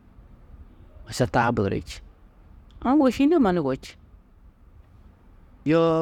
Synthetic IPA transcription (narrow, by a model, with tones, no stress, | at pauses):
a˨sa˨ta˦bə˨ɾḛ˨t͡ʃ | ã˦wo˦˨ʃi˦no˦ma˨ni˨ɡo˨t͡ʃ | jo˦